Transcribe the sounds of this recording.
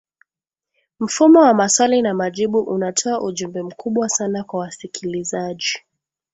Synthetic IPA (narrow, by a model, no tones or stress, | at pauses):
m̩fumɔwamaswalinamaʄiɓuʔunatʰɔaʔuʄumbɛm̩kʰuɓwasanakwawasikʰilizaʄi